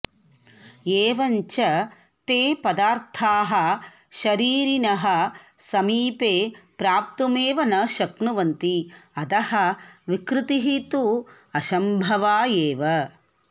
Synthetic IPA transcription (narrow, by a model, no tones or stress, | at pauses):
eːʋɐɲt͡ʃɐ | t̪eːpɐd̪aːɾt̪ʰaːɦɐ̆ | ʃɐɾiːɾinɐɦɐ̆sɐmiːpeːpɾaːp̚t̪umeːʋɐnɐʃɐkɳuʋɐnt̪iɐd̪ɐhɐʋikɾut̪iɦit̪u | ɐʃɐmbʱɐʋaːjeːʋɐ